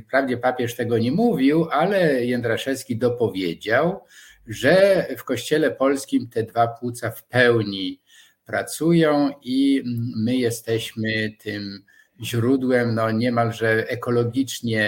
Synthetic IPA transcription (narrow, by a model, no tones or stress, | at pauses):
pɾavd͡ʑɛpapʲjɛʂt̪ɛɡɔɲɛmuvʲiwʔalɛjɛnd̪ɾaʂɛskʲid̪ɔpɔvʲjed͡ʑaw | ʐɛfkɔɕt͡ɕɛlɛpɔlskʲimt̪ɛd̪vapwut̪safpɛwɲi | pɾat̪sujɔ̃w̃imɘjɛst̪ɛɕmɘt̪ʰɘm | ʑɾud̪wɛmnɔɲɛmalʐɛʔɛkɔlɔɡʲit͡ʂɲɛ